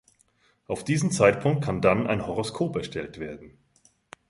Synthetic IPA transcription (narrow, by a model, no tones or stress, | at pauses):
ʔaʊfd̥iːzm̩t͡saɪt̚pʰʊŋk̚t̚kʰandanʔa̰ɪnhɔʁoskʰoːpɛɐʃtʰɛltv̥eːɐdn̩